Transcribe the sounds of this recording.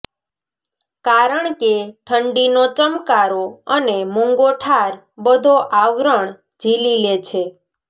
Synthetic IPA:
kaɾəɳkeʈʰəɳɖinot͡ʃəmkaɾoənemuŋɡoʈʰaɾ | bəd̪ʱoʔaʋɾəɳ | d͡ʒʱililet͡ʃʰe

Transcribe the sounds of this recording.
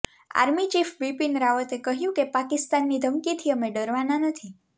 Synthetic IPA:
a̰ɾmit͡ʃifbipinɾaʋət̪ekəɦjũkepakɪst̪anːid̪ʱəmkit̪ʰiəmeɖəɾʋananət̪ʰi

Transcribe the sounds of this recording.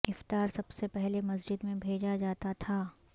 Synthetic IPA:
ɪft̪aːɾsɐbsepɛɦlemɐzd͡ʒɪd̪mẽbʱeːd͡ʒad͡ʒaːt̪at̪ʰaː

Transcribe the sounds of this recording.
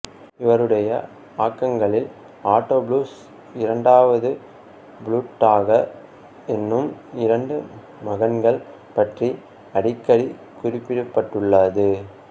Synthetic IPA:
ɪʋɐɾɯɽɐjɐ | aːkːɐŋɡɐɭɪl | aːʈːoːbɭuːs | ɪɾɐɳɖaːʋɐðɯ | bɭuːʈːaːɣɐ | ɛnːɯmɪɾɐɳɖɯ | mɐɣɐnɡɐɭ | pɐʈri | ɐɽɪkːɐɽi | kʊrɪpːɪɽɯpːɐʈːɯɭːɐðɯ

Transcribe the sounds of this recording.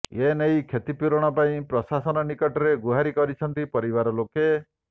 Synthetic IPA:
enejkʰet̪ipuɾɔɽ̃ɔpaĩpɾɔsasɔnɔnikɔʈɔɾeɡuɦaɾikɔɾit͡ʃʰɔnt̪ipɔɾibaɾɔloke

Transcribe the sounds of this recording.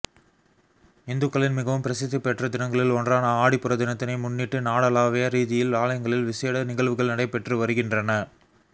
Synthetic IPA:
ɪnd̪ɯkːɐɭɪnmɪɣɐʋɯmpɪɾɐsɪðːɯpɛʈrɐd̪ɪnɐŋɡɐɭɪlɔndraːnɐaːɽɪpːɯɾɐd̪ɪnɐt̪ːɪnɐɪmʊnːiʈːɯnaːɽɐlaːʋeɐɾiːðɪjɪlʋaːɭɐjɐŋɡɐɭɪlʋɪseːɽɐnɪɣɐɭʋɯɣɐɭnɐɽɐɪpːɛʈrɯʋɐɾɯɣɪndrɐnɐ

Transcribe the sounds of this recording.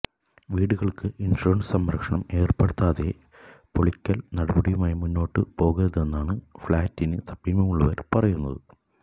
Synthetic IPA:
ʋiːɽuɣɐɭkɨʔinʂoːɳɖɨsɐmɾɐkʂɐɳɐme̞ːrpeɽut̪ːaːðe̞ | po̞ɭikʲːɐlnɐɽɐbɐɽijumaːjimunːo̞ːʈːɨpo̞ːɣurɐðe̞nːaːɳɨfɭaːtːinɨsɐbiːmɐmuɭːɐʋɐɾpɐrɐjunːɐðɨ

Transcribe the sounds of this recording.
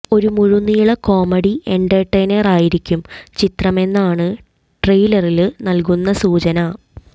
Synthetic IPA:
o̞ɾumuɻunːijuɭɐko̞ːmɐɽiʔeɳɖɐʈːejnɐraːjiɾikʲːumt͡ɕit̪rɐme̞nːaːɳɨ | ʈrejlɐrilnɐlk̬unːɐsuːt͡ɕɐnɐ

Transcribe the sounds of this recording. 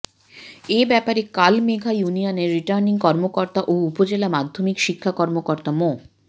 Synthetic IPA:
ebɛpaɾekalmeɡʱajunioneɾːiʈaɾniŋkɔɾmokoɾt̪aʔoupod͡ʑelamad̪ʱːomikʃikʰːakɔɾmokoɾt̪amo

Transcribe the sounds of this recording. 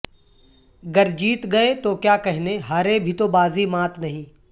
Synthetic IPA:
ɡɐɾd͡ʒiːt̪ɡɐet̪okjaːkɐɦɪneɦaːɾebʱit̪obaːzimaːt̪nɐɦĩː

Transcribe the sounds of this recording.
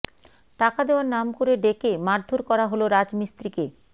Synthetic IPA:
ʈakad̪eowaɾnamkoɾeɖekemaɾd̪ʱoɾkɔɾaɦoloɾad͡ʑmist̪ɾike

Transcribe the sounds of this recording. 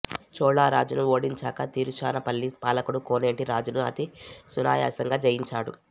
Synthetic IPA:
t͡ʃɔːɭːaːɾaːd͡ʒunuoːɽiɲt͡ʃaːkɐt̪iːɾut͡ʃaːnɐpɐlːipaːlɐkuɽukoːne̞ːɳʈiɾaːd͡ʒunuɐ̰t̪isuna̰ːja̰ːsɐŋɡaːd͡ʒɐjiɲt͡ʃaːɽṵ

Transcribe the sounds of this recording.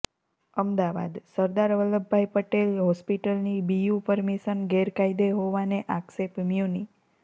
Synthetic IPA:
əmd̪aʋa̰d̪səɾd̪aɾʋələbʱːajpəʈelɦɔspiʈəlnibijupəɾmiʃənɡɛɾkaid̪eɦoʋaneʔaksepmjuni

